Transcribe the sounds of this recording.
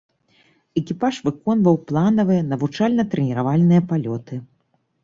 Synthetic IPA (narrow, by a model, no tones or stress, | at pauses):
ɛkʲipaʂvɨkɔnvɐwplˠanɐvɨjɐnɐvut͡ʂalʲnɐt̪ɾɛnʲiɾavalʲnɨjɐpalʲɔt̪ɨ